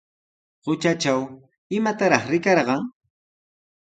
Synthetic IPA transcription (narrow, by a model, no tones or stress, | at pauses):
ɢʊt͡ʃat͡ʃaw | ɪmat̪aɾɑχɾɪkɑɾɢɑŋ